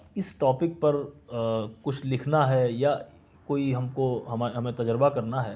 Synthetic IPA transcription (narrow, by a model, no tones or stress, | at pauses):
ɪsʈɔːpɪk̚pɐɾ | kʊt͡ʃʰlɪkʰnaɦɛja | koːiɦɐmkoɦɐmaɦɐmẽt̪ɐd͡ʒɾəbakɐɾnaɦɛː